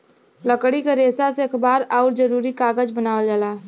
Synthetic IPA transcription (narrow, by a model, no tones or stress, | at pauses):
ləkɽikaɾeːsaseekʰbaːɾaːɾd͡ʒəɾuːɾikaːɡəd͡ʒbənaːʋəld͡ʒalaː